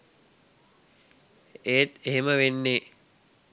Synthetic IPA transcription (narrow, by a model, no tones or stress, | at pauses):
eːt̪eɦeməʋenːe